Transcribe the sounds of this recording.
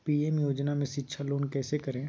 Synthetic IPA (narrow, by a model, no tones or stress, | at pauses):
piːɛmjoːd͡ʒnamẽʃɪtːʃʰaloːnkɛːsekɐɾẽː